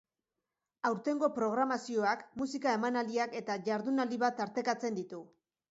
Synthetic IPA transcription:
awɾt̪e̞ŋɡo̞pɾo̞ɣ̞ɾamasio̞akmusikae̞manaliake̞t̪aʝaɾðunald̪iβat̪aɾt̪e̞kat͡se̞nd̪it̪u

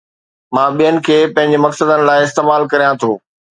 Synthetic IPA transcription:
mãːɓijənɪ̆kʰeːpɐ̃ɦɪ̃ɲd͡ʑemɐksəd̪ənɪ̆laːɪɪst̪eːmaːlkɐɾijãt̪ʰoː

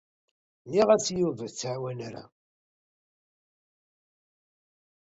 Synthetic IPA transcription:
niʁæt͡sːjuvəðt͡sːʕwænaɾa̰

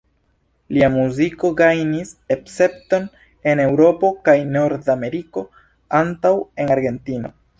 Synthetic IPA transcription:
liamuziko̞ɡajnisepse̞p̚to̞n | e̞ne̞wɾo̞po̞kajno̞ɾdame̞ɾiko̞ | antawe̞naɾɡe̞ntino̞̰

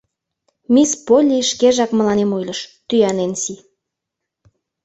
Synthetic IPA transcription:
mispolʲiʃkeʒɑkməlɑnemojləʃt̪yjɑnensi

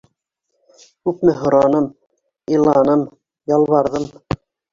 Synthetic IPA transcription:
kʉpmɘɦŏɾɑnɤm | ĭlˠɑnɤm | jɑlˠβɑɾðɤm

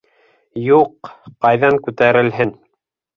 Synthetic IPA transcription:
juqːɑjðɑŋkʉt̪æɾɘ̆lɦɘn

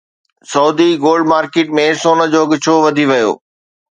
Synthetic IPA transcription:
sɐːd̪ʱiɡoːlɖmaːɾkeːʈ̚mẽsoːnə̆d͡ʑoːɡɪt͡ɕʰoʋɐd̪ʱiʋɐjo̰ː

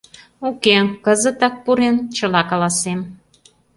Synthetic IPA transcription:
ukekəzə̆t̪ɑk̚puɾent͡ɕəlɑkɑlɑsem

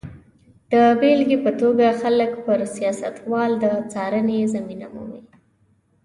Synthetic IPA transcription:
d̪̥əbelɡepət̪oɡaxaləkpəɾsijɑsat̪wɑld̪ət͡sɑɾənezaminamṵmi

